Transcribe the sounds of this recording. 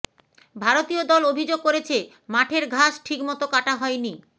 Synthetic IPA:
bʱaɾot̪iod̪ɔlobʱid͡ʑoɡ̚koɾet͡ɕʰe | maʈʰeɾɡʱaʃʈʰikmɔt̪okaʈaɦɔeni

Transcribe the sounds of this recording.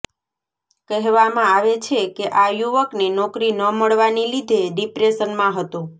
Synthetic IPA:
kəɦʋamãaʋet͡ʃʰekeʔajuʋəknenɔkɾinəməɭʋanilid̪ʱeɖipɾesənmãɦət̪o

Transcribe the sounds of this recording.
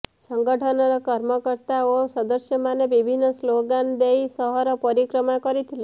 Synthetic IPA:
səŋɡəʈʰɔnɔɾɔkɔɾməkəɾt̪aosəd̪əsjəmaneʋibʱinːəsloɡand̪ejsɔɦɔɾɔpɔɾikɾɔmakɔɾit̪ʰili

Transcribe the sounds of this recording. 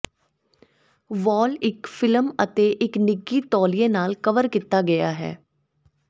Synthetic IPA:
ʋɔːlɪkfʰɪləmət̪eːʔɪknɪɡːiːt̪ɔːlijẽːnaːlkəʋəɾkɪt̪ːaːɡəja̰ːɦɛ̰ː

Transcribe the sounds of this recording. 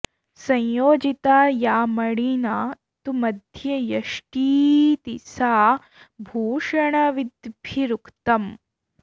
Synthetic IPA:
sɐ̃jjoːd͡ʒit̪aːjaːmɐɽinaː | t̪umɐd̪ʱjɐjɐʂʈiːt̪isaː | bʱuːʂɐɳɐʋid̪bʱiɾukt̪ɐm

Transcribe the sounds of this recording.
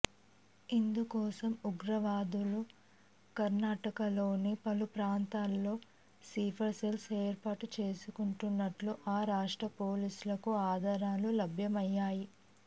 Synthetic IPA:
ind̪ukɔːsɐmuɡɾɐʋaːd̪ulu | kɐɾnaːʈɐkɐlo̞ːnipɐlupɾaːnt̪aːlːo̞ː | siːpʰɐɾselseːɾpaːʈut͡ʃe̞ːsukuɳʈunːɐʈluʔaːɾaːʂʈɾɐpo̞ːliːsulɐkuaːd̪ʱaːɾaːlulɐbʱjɐmɐjːaːji

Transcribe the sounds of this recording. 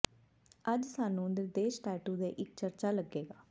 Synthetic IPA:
əd͡ʒsaːnũːʊnd̪əɾd̪eːʃʈɛːʈũːd̪ḛːʔɪk̚t͡ʃəɾt͡ʃaːləɡːeːɡaː

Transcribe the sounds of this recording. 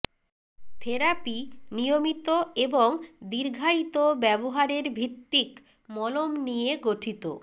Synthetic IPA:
t̪ʰeɾapinijomit̪oeboŋd̪iɾɡʱait̪obɛboɦaɾeɾbʱit̪ːik | mɔlomnijeɡoʈʰit̪o̰

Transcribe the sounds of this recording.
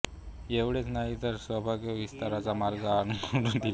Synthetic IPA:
eʋɽet͡snaɦit̪əɾsʋəbʱaɡjəʋist̪aɾat͡samaɾɡaːnkəɽund̪i

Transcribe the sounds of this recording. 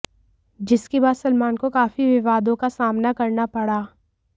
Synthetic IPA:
d͡ʒɪskebaːd̪sɐlmaːnkokaːfiʋɪʋaːd̪õkasaːmnakɐɾnapɐɽaː

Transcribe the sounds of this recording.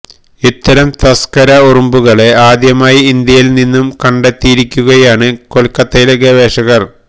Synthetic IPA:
it̪ːɐɾɐmt̪ɐskɐɾɐurumbuɣɐɭeaːd̪jɐmaːjiind̪jɐjilninːumkɐɳɖɐt̪ːijiɾikʲːuɣɐjaːɳɨkolkːɐt̪ːɐjlɐɡeʋeːʂɐɣɐr

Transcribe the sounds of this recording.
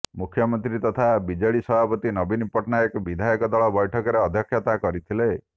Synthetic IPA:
mukʰjɔmɔnt̪ɾit̪ɔt̪ʰabid͡ʒɔɭisɔbʱapɔt̪inɔbinipɔʈnaekɔbid̪ʱajɔkɔd̪ɔɭɔbɔjʈʰɔkɔɾeɔd̪ʱjɔkʰːjat̪akɔɾit̪ʰile

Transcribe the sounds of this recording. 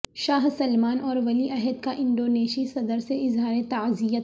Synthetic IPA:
ʃaːɦsɐlmaːnɔːɾʋɐliʔɐɦɛd̪kaʔɪ̃ɳɖoːneːʃisɐd̪əɾseɪzɦaːɾet̪ɐzijə

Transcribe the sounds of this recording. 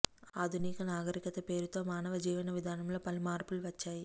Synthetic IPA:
aːd̪ʱuniːkɐnaːɡɐɾikɐt̪ɐpe̞ːɾut̪o̞ːmaːnɐʋɐd͡ʒiːʋɐnɐʋid̪ʱaːnɐmlo̞ːpɐlimaːɾpuluʋɐt͡ʃːaːji

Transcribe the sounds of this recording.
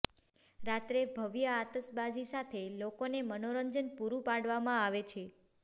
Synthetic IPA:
ɾat̪ɾebʱəʋjəat̪əsbad͡ʒisat̪ʰelokonemənoɾəɲd͡ʒənpuɾũpaɽʋamãaʋet͡ʃʰe

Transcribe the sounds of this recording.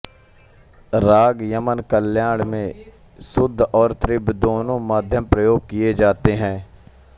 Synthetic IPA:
ɾaːɡjəmənkəljaːɽ̃mẽ | sʊd̪ʱːɔːɾt̪ɾɪbʱd̪oːnõmaːd̪ʱjəmpɾəjoːɡ̚kijed͡ʒaːt̪eɦɛ̃ː

